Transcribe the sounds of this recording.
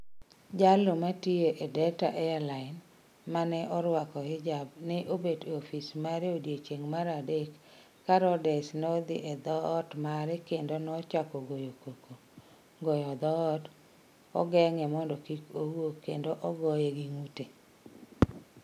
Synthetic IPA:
d͡ʒalomatieʔedɛtaʔɛalaɪn | manɛʔɔɾwakɔɪd͡ʒabnɛʔobedofismaɾeodjet͡ʃeŋmaɾadekː | aɾɔdɛsnɔd̪ɪ̰ʔɛd̪ɔːtmaɾɛkendonɔt͡ʃakɔɡojokoko | ɡɔjɔd̪ɔːt | ɔ̰ɡɛŋɛmɔndɔkikowokḛndoʔɔɡɔjeɡiŋute

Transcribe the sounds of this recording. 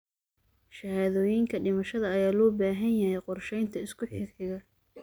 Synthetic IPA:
ʃɐhaːðɔːjɪŋkʰɐɖɪmɐʃɐðɐɐjaːlɔːbaːɦɐnjɐhɛjqɔrʃɛjnt̪ʰɐɪskʰʊħɪrħɪɣɐ

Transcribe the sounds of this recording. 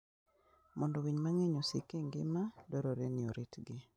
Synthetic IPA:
mɔndɔwiɲmaŋeɲosḭkeŋɡɪ̰madɔɾoɾenɪoɾitɡɪ

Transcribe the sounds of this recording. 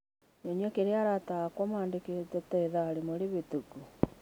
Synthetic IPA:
noɲwɛkeɾeaɾataakwɔmaːndeketɛtɛːðaːɾemoɾeβetuku

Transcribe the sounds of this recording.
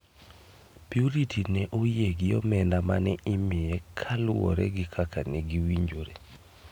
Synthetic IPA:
piuɾitʰinɛʔojeɡɪɔ̰mɛndama̰nɛɪmɪɛkʰalʊɔ̰ɾɛ̰ɡɪkʰakʰaneɡiwiɲd͡ʒoɾe

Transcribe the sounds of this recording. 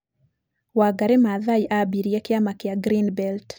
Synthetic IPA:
waɡaɾɛmaðajʔabiɾjɛkɪamakɪaɡɾinbɛlt

